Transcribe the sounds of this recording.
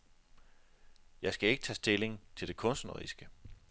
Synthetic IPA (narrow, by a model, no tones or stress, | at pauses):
jɑ̈ɪsɡ̥æe̝ɡ̥ə̥t͡sʰɛsd̥e̝le̝ŋt͡sʰe̝ld̥e̝kʰɔ̽nsnɐʁḭsɡ̥ə